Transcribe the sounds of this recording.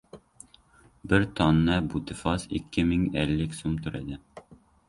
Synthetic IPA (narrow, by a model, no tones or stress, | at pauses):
bɘɾt̪ɒnːɑbut̪ɘ̆fɑsḭkːɘmɘŋælːɘksumt̪ɵ̆ɾæ̰d̪ɘ